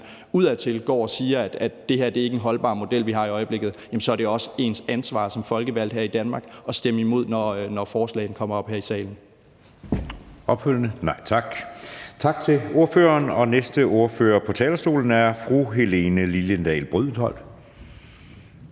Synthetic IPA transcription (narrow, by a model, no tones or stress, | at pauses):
uð̰ˠæt͡sʰe̝lɡ̥ɒ̰ːɒ̽siːɐæd̥æd̥d̥e̝hæɐd̥e̝ɐe̝ɡ̥enɦɒ̽lb̥ɑ̈ːmo̝d̥el̰ʋiɦɑ̈iɒ̽ɪəb̥le̝ɡ̥ð̩ˠjæmnsɒ̽æɐɾ̥eɒ̽səe̝nsænsʋɑ̰̈ːsɒ̽mfɒ̽lɡ̥əʋæl̰d̥ɦæɐ̰id̥ænmɑ̈ːɡ̥ɒ̽sd̥eməimo̝ð̞̰ˠnɒnɒfɒːslɛ̰ːɪn̩kʰɒ̽m̰ɐɒ̽b̥hæɐisɛ̰ːln̩ | ʔɒ̽b̥føl̰jnənɑ̈ɪ̰t͡sʰɑ̈ɡ̥t͡sʰɑ̈ɡ̥̚t͡sʰe̝o̝ɐføːɐnɒ̽nesd̥əʔo̝ɐføːɐpʰɒ̽t͡sʰɛːlɐsd̥o̝̰ːln̩æɐfʁuɦe̝le̝nəliljənd̥ɛ̰ːlb̥ʁyð̰ˠn̩ˠhɒ̽l̰̥